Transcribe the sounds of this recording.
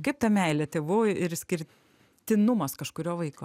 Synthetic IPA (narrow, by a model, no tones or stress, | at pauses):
kɐɪp̚t̪ɐmʲɛɪlʲɛt̪ʲeːʋʊɪɾsʲkʲɪɾʲ | t̪ʲɪnʊmɐskɐʃkʊɾʲoːʋɐɪkoː